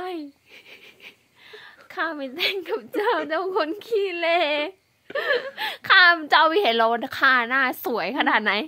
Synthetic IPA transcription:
a˧˩j | kʰaː˧˥˩ma˧˩jt͡ɕɛ˧˩ŋkʰa˨˩p̚t͡ɕaː˧˩wt͡ɕaː˧˥˩wkʰo˧˥nkʰiː˧˥˩leː˧˩ | kʰaː˧˥˩t͡ɕaː˧˩wmiː˧˩he˨˦nla˧wn˧kʰaː˧˩naː˥˩su˩˦əjkʰa˧naː˨˩t̪̚na˨˦˥j

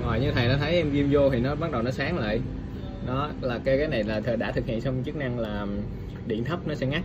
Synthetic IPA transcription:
ŋwa̰ː˨˩jɲɨ˧t̪ʰə˨˩jnɔ˨˦t̪ʰə˨˦jʔɛ˧mɣi˧mzo˧t̪ʰi˨˩nɔ˨˦ɓa˦˥t̚ɗə˨˩wnɔ˨˦saː˨˦ŋla̰ː˧˨j | ɗɔ˨˦laː˨˩kaː˨˦jkaː˨˦jna˨˩jlaː˨˩t̪ʰəː˨˩ɗaː˧˥t̪ʰɨ˨˩k̚hḭ˧˨ənsɔ˧wŋ͡mt͡ɕɨ˦˥k̚na˧ŋlaː˨˩ | ɗḭ˧˨ənt̪ʰə˦˥p̚nɔ˨˦sɛ̰˧˥ŋa˦˥k̚

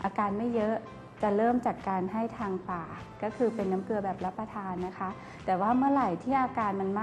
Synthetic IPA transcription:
ʔaː˧kaː˧nma˥˩jːɤ˦˥ʔ | t͡ɕa˨˩ɾɤː˥˩mt͡ɕaː˨˩kkaː˧nɦa˥˩jt̪ʰaː˧ŋpaː˨˩ | kɔː˥˩kʰɯː˧pe˧nːa˦˥mkɯ˧əbɛː˨˩p̚la˦˥pːa˧t̪ʰaː˧nːa˦˥kʰa˦˥ʔ | t̪ɛː˨˩waː˥˩mɯ˥˩ɐɾa˨˩jt̪ʰiː˥˩ʔaː˧kaː˧nma˧nma˥

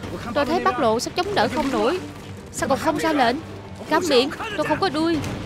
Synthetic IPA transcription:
t̪o˧jt̪ʰə˨˦jɓa˦˥t̚lo̰˧˨sɛ̰˨˧˥t͡ɕə˨˦wŋ͡mɗə̰ː˧˩xə˧wŋ͡mno˧˩j | saː˧kɔ˨˩xə˧wŋ͡mzaː˧le˧˩n | kaː˨˦wɓḭ˧˨ənt̪o˧jxə˧wŋ͡mkɔ˨˦ɗu˧əj

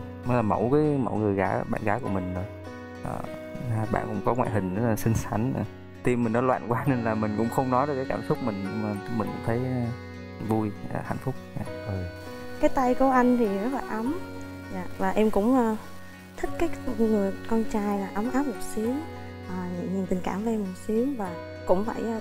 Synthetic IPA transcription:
mɔ˨˦jlaː˨˩mo̰˧˩wkaː˨˦jmo̰˧˩jŋɨ˨˩əjɣaː˨˩˦ɓa̰ː˧˨nɣaː˨˦kṵ˧˩əmï˨˩ŋ̟o˨˩j | ʔə̰ː˨˧˩ | aː˨˩ɓa̰ː˧˨nkʊ̰˧˥ŋ͡mkɔ˨˦ŋwa̰ː˧˨jhï˨˩ŋ̟˨˦˨sï˧ŋ̟sa˧˩jŋ̟˨˩ | t̪i˧mːï˨˩ŋnɔ˨˦lwa̰ː˧˨nkwaː˧ne˧nlaː˨˩mï˨˩ŋ̟kʊ̰˧˥ŋ͡mxə˧wŋ͡mnɔ˨˦jɗɔ˨˦ka˨˦jkaː˧˩msʊ˦˥k͡p̚mï˨˩ŋɲ˧ma˨˩˧mï˨˩ŋ̟kʊ̰˧˥ŋ͡mt̪ʰə˨˦j | vu˧jə˨˩ha̰˧˨jŋ̟fʊ˦˥k͡p̚a̰˧˨˩zo˨˩j | kaː˨˦jt̪a˧jku˧˩əʔa˧jŋ̟t̪ʰi˨˩zə˦˥k̚laː˨˩ʔə˨˦m | ɲaː˨ʔvaː˨˩ʔɛ˧mkʊ̰˧˥ŋ͡məː˧ | t̪ʰï˦˥k̚kaː˨˦jŋɨ˨˩əjkɔ˧nt͡ɕaː˧jlaː˨˩ʔə˨˦mʔaː˦˥p̚mo˨˩t̚si˨˦əŋ | ʔəː˨˩ɲɨ̰˧˨ŋɲ˨˩ŋt̪i˨˩ŋ̟kaː˧˩mva˧ʔɛ˧mo˨˩t̚si˨˦əŋvaː˨˩ | kʊ̰˧˥ŋ͡mfaː˧˩j

